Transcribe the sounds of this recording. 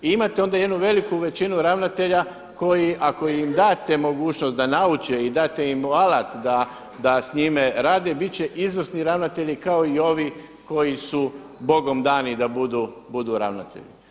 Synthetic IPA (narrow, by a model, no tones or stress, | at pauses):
iimat̪eo̞nd̪aje̞d̪nuʋe̞likuʋe̞t͡ʃinuɾaʋnat̪e̞ʎa | ko̞jiʔako̞imd̪aːt̪e̞mo̞ɡuːt͡ʃnost̪d̪anaut͡ʃeid̪aːt̪eimalat̪d̪a | d̪asɲime̞ɾaːd̪e̞bit̪t͡ɕe̞ʔizʋr̩sniɾaʋnat̪e̞ʎikaoio̞ʋi | ko̞jisu | bo̞ɡo̞md̪aːnid̪abud̪ubud̪uɾa̰ʋna̰t̪ḛʎḭ